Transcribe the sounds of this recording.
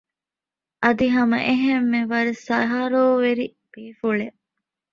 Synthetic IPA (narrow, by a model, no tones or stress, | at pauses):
ʔɐd̪iɦɐmɐ̰ʔeɦemːeʋɐɾesɐɦɐɾoːʋeɾi | b̥eːfuɭe